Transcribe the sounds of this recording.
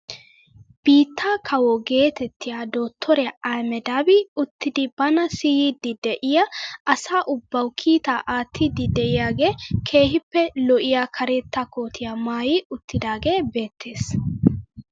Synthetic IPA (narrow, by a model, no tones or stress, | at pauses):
b̥iːt̪ʰːaːkʰɐwɔɡe̞ːt̪ɛt̪ːɪjaːd̪oːt̪ʰːɔɾɛjaʔɐjmɛd̪aːbɪʊt̪ːɪd̪ɪbɐnɐsijɪd̪ɪd̪ɛʔɪjaʔɐsaːʔʊbːɐwkʰiːt̪aːʔaːt̪ʰːɪd̪ɪd̪ɛʔɪjaːɡeːkʰe̞ːhɪpːɛlɔʔɪjakʰɐɾeːt̪ːakoːt̪ʰɪjamaːjɪʊt̪ʰːɪd̪aːɡe̞ːbe̞ːt̪ːe̞ːs